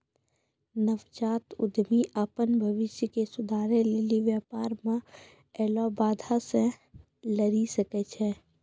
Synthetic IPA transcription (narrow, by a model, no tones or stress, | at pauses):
nəʋt͡ʃaːt̪ʊ̰d̪ʱmiʔapənbʱəʋɪʃjəkesʊd̪ʱaːɾẽlɪliʋjaːpaːɾmã | ɛːlɔbaːd̪ʱasẽ | ləɾisəkɛt͡ʃʰɛː